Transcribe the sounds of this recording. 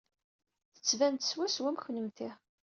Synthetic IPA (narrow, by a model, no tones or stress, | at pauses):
θə̥t͡sːvænt̪ə̥swæswæmçnəmt̪iʁ